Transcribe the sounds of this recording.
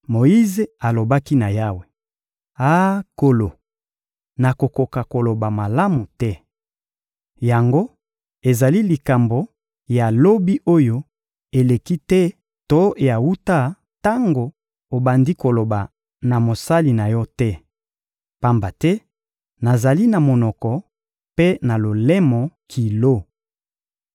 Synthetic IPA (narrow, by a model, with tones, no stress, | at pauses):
mo˨i˦ze˨a˨lo˨ba˦ki˦na˨ja˦we˨ | a˦ko˨lo˨ | na˨ko˨ko˨ka˨ko˨lo˨ba˨ma˨la˦mu˨tɛ˦ | ja˨ŋɡo˦ | e˨za˨li˦li˨ka˨mbo˨ | ja˨lo˦bi˦ʔo˦jo˦ | e˨le˨ki˦tɛ˦ | to˦ja˨wu˦ta˦ | ta˦ŋɡo˨ | o˨ba˨ndi˦ko˨lo˨ba˨ | na˨mo˨sa˦li˨na˨jɔ˦tɛ˦ | pa˦mba˨tɛ˦ | na˨za˨li˦na˨mo˨nɔ˨kɔ˨ | pe˦na˨lo˨lɛ˦mɔ˨kʰi˨lo˦